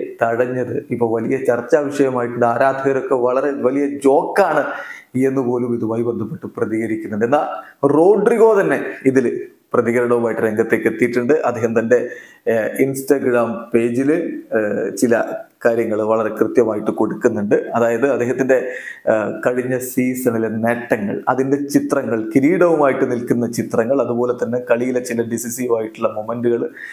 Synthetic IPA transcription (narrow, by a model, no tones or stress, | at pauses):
t̪ɐɽɐɲːɐðɨipːoːɭʋɐlijɐt͡ɕɐrt͡ɕːaːʋɐʂɐjɐmaːjiʈːuɳɖaːɾaːd̪ʱɐɣɐɾokːe̞ʋɐɭɐɾe̞ʋɐlijɐd͡ʑo̞ːkːaːɳɨenːɨpo̞ːlumiðumaːjibend̪ʱɐpːeʈːɨprɐðiɣɐɾikʲːunːuɳɖenːaːro̞ːɖriɣo̞ːt̪ɐnːe̞iðil | prɐðiɣɐɾɐɽɐʋumaːjiʈːɨɾe̞ŋɡɐt̪ːe̞ːkːet̪ːijʈːuɳɖɨʔɐd̪ːeːɦɐmt̪ɐnde̞ | insʈɐɡraːmpe̞ːd͡ʑil | t͡ɕilɐkaːɾjɐŋːɐɭʋɐɭɐɾe̞krɨt̪jɐmaːjiʈːɨko̞ɽukːunːuɳɖɨɐðaːjɐðɨɐd̪ːeːɦɐt̪ːinde̞ | kɐɻiɲːɐsiːsɐɳilne̞ʈːɐŋːɐ̰ɭɐ̰ðinde̞t͡ɕit̪rɐŋːɐɭkiɾiːɽɐʋumaːjiʈːɨnilkunːɐt͡ɕit̪rɐŋːɐɭɐðubo̞ːle̞t̪ːɐnːe̞kɐɭijilet͡ɕilɐɖisisijmaːjiʈːuɭːɐmomenduɣɐɭ